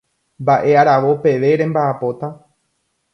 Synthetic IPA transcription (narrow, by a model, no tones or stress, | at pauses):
mbaʔe̞aɾaʋo̞pe̞ʋe̞ɾẽ̞mbaːpo̞t̪a